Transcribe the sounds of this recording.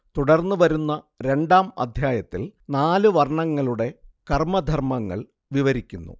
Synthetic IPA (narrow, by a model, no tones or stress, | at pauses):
t̪uɽɐrnːuʋɐɾunːɐ | ɾe̞ɳɖaːmɐ̰d̪ʱjaːjɐt̪ːilnaːluʋɐrɳɐŋːɐɭuɽe̞kɐrmɐd̪ʱɐrmɐŋːɐ̰ɭ | ʋiʋɐɾikʲːunːṵ